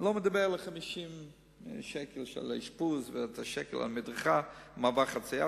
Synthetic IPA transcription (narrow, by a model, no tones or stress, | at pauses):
lomed̪abeʁleχamiʃim | ʃɛkelʃɛ̰la̰iʃpuzvetaʃɛkḛla̰lmidʁəχamavaχat͡sija